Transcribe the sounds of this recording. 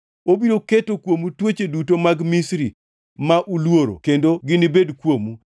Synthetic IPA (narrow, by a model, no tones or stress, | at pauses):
obiɾoketokwomutwot͡ʃedutomaɡmisɾi | maʔulwoɾo̰kendoɡɪnibedkwomu